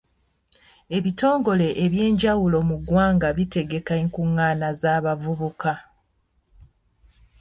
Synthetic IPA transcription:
e̞βito̞ːŋɡo̞le̞ʔeβje̞ːɲɟawulo̞muɡwaːŋɡaβite̞ɡe̞kaeŋkuŋːaːnazaːβavuβuka

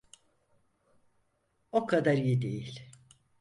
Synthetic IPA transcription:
okʰad̪aɾjid̪e̞jilʲ

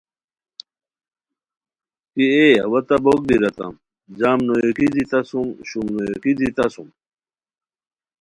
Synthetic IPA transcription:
kieɐwɐt̪ɐbok̚biɾɐt̪ɐ̰m | d͡ʑaːmnojekidit̪ɐsumɕumnojokidit̪ɐsum

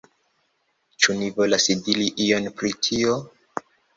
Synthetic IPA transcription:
t͡ʃunivo̞lasidiliʔijo̞npɾitʰio

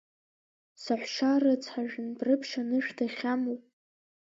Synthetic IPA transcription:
saħʷʃarɨt͡sʰħaʒnbrɨpʰʂanɨʂdʰaχʲamowpʼ

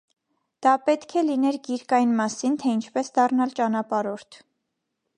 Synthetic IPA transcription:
d̪̥ɑpɛt̪kʰɛlinɛɾɡiɾkɑjnmɑsint̪ʰɛint͡ʃʰpɛsd̪ɑrnɑlt͡ʃɑnɑpɑɾɔɾt̪ʰ

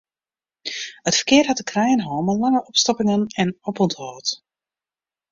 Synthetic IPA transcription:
hətfərkɪərtɦatəkrɛjənɦoːmənlaŋəʔɔpstɔpɪŋənɛnɔpɔnthɔːt

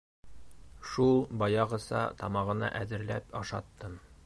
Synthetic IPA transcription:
ʃulˠbɒjɑʁɤ̆sɑ̰t̪ɒmɑʁɤ̆nɑ̰ʔæðɘ̆ɾlæpɒʃɑt̪ːɤm

